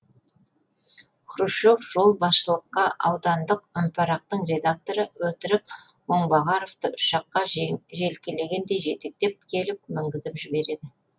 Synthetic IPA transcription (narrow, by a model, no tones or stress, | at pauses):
χʰʊɾuʃofʒ̥o̞lˠbɑsʃəlˠəqːɑʔɑwd̪ɑnd̪əqʏmpʰɑɾɑq̚t̪əɴre̞d̪ak̚t̪o̞ɾəwɵt̪ɪɾɪp | wo̞ɴbɑʁɑɾo̞ft̪əʔʊʃɑqːɑʒe̞lkʲele̞ɡʲe̞nd̪e̞jʒe̞t̪ek̚t̪e̞p̚kʲʰe̞lɪpmɪŋɡʲɪzɪpʒɪbe̞ɾe̞d̪ɪ